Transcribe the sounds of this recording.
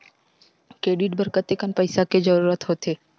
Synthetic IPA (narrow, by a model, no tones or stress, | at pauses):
kɾeːɖiʈ̚bəɾkət̪ekənpəɪsaked͡ʒəɾuːɾət̪ɦot̪eː